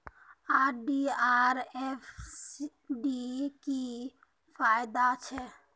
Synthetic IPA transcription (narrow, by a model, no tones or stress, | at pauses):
aːɾɖiaːɾɛf | ɖiki | faːjd̪at͡ʃʰɛ